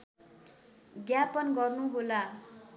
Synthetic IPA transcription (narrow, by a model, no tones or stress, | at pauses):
ɡjapʌnɡʌrnuɦola